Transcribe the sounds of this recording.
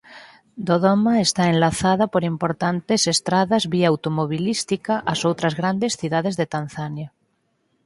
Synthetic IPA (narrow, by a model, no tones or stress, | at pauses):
d̪oðomaest̪aenlaθaðapoɾimpoɾt̪ant̪esest̪ɾaðazβiaawt̪omoβ̞ilist̪ikaʔasowt̪ɾazɣɾand̪esθiðað̞ezðet̪anθanja